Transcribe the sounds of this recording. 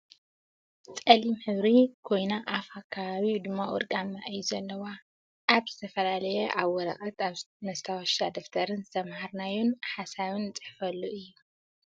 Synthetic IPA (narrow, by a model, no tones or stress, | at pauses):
t͡sʼɐlimħɨβɾikʰo̞jnaʔafhakʰaβaβid̪ɨmːawɔ̰ɾɡʼamːaʔɐjːuzɐlːɐwa | ʔːβz̥ɨt̪ʰɐfɐlalɐjɛʔaβwɔɾɐ̰χʼɐt̪aβ | nɐst̪ʰawaʃt̪ad̪oft̪ʰɐɾɨnzɨt̪ʰɐmhaɾnajunħasaβɨnt͡sʼɨ̥ħfɐlːuʔɨjːu